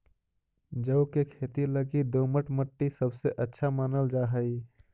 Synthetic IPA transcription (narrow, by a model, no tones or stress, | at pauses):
d͡ʒəʊkekʰet̪iləɡid̪oməʈməʈːisəbʱseʔətːʃʰamaːnəld͡ʒaɦəi